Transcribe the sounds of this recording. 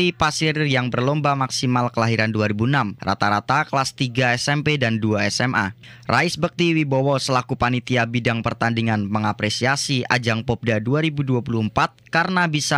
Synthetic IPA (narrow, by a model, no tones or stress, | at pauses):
ipasɪrjaŋbərlɔmbamaksimalkəlaɦiɾanduaɾibunamra̰t̪aɾat̪akəlast̪iɡaɛsɛmpedanduaɛsɛma̰rʔaɪsbək̚t̪iwibowɔsəlakupanit̪iabidaŋpərt̪andiŋanməŋapɾesiasia̰d͡ʒaŋpɔp̚daduaɾibuduapuluəmpat̪̚kaɾənabisa